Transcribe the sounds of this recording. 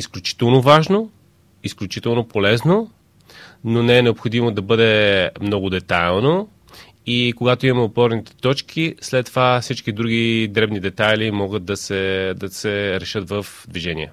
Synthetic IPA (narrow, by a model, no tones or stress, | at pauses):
isklʲut͡ʃi̥t̪ɛlˠnovaʒno | isklʲut͡ʃit̪ɛlˠnopolɛzno | nonɛɛnɛopxod̪imod̪ɐbɤd̪ɛmnɔɡʊd̪ɛt̪ajlˠno | ikoɡat̪oimɐmɛopɔɾnit̪ɛ̥t̪ɔt͡ʃkʰislɛt̪ːovafsit͡ʃkid̪ɾuɡid̪ɾɛbnid̪ɛt̪ajlimɔɡət̪̚d̪ɐsɛd̪ɐsɛɾɛʃɤt̪vəf | d̪viʒɛnḭɛ